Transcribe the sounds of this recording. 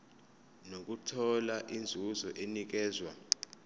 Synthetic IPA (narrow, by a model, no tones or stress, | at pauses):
nok̬utʰɔlaʔind͡zʱuzɔʔenik̬ɛːzwa